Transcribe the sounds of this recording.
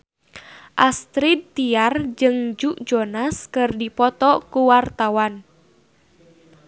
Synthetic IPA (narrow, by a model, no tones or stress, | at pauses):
ʔast̪ɾid̪̚t̪iard͡ʒɨŋd͡ʒuʔd͡ʒɔnaskɨrdipɔt̪ɔkuwart̪awan